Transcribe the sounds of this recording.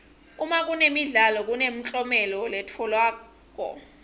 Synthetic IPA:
umak̬ʼunemiɮalɔk̬ʼunem̩t͡ɬʼɔmɛlɔlɛtʰɔlwaː | k̬ʼɔ̰

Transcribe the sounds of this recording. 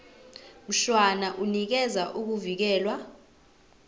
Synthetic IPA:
m̩ɬwanaʔunik̬ɛzaʔuk̬uvik̬ɛːlwa

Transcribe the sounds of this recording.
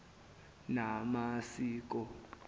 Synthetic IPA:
namasiːk̬ɔ

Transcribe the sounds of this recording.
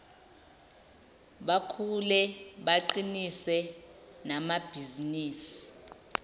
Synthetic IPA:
ɓakʰulɛɓaǃinisɛ | namab̥ʱiziniːsi̥

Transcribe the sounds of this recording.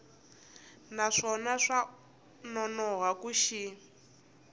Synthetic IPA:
naʂɔnaʂa | nɔnɔɦakuʃi

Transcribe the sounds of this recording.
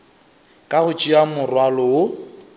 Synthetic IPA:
kʼaɣʊt͡ʃʼiamʊrwalɔʊ

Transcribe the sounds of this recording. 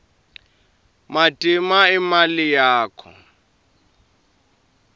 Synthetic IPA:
matʼimaimalijaːkʰɔ̰

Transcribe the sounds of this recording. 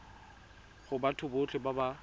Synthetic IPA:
χʊbatʰʊbʊt͡ɬʰɪbaba

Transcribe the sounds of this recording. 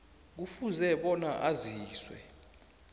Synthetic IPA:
k̬ufuzɛɓɔnaʔaziːswɛ̰

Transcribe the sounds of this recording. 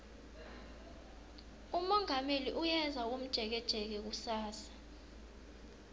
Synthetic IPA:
umɔŋameliʔujɛnzʱawom̩d̥ʒ̥ʱɛk̬ɛd̥ʒ̥ʱɛk̬ɛk̬usaːsḁ

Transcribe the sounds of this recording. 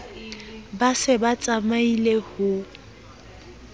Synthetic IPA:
basɪbat͡sʼamailehʊ

